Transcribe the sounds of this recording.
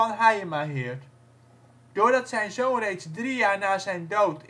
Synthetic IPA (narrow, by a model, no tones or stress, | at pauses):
ɑnɦajəmaːɦɪːɹt | d̥ʊːɹdɑtsɛjnzownrejtzdrijaːɹnaːzɛjndowtʰ